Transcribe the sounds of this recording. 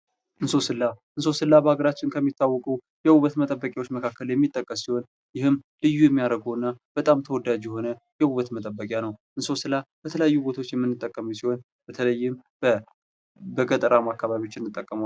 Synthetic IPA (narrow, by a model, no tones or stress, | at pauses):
ʔɨnso̞sɨlːaʔɨnso̞sɨlːabəhaɡəɾat͡ʃːɪnkʰəmːit̪ʰːawːɔkʼu | jɛwuβət̪mət̪ʼəbːəkʼjawo̞t͡ʃːməkʰakːəljɛmːit̪ʼːəkʼːəssiho̞n | jɪhɨmlɨjːujɛmːijaɾəɡəwɨnːab̥ət̪ʼamt̪ʰəwɔd̪ad͡ʒjɛɦo̞nə | jɛhuβət̪mət̪ʼəbːəkʼjanəwʔɨnso̞sɨlːab̥ət̪ʰələjajːubo̞t̪ʰawot͡ʃːjɛmːɨnːɨt̪ʼːəkʼːəməsiho̞n | b̥ət̪ʰələjːɪmb | bəɡət̪ʼəɾamakːaβaβiot͡ʃːɪnːɨt̪ʼːəkʼːəmawa